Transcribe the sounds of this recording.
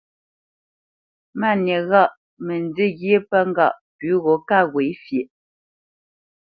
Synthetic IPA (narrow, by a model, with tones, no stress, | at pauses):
ma˦˨njɛ˨ɣa˦˨ʔ | mɛ˨n˨˦de˦ɣje˦pa˦ŋ˦ɡa̰˦˨ʔpʉ˨˦ɣɔ˨˦ka˦˨ɣwe˨˦fje˨ʔ